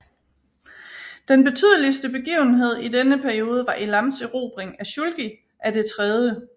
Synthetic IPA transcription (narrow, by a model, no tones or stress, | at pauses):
d̥enb̥e̝t͡sʰyð̞̰ˠəlisd̥əb̥e̝ɡ̥ḭːʊn̩ɦe̝ð̞̰ˠid̥enəpʰæɐio̝ːð̞ˠəʋɑ̈ʔilɑ̈msiʁo̝̰ːb̥ʁeŋæɕulɡ̥i | ʔæd̥e̝t͡sʰʁɛð̞ˠjə